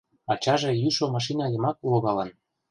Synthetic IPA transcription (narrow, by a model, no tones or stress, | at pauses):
ɑt͡ɕɑʒejyʃomɑʃ̬inɑjəmɑkloɣɑlɑn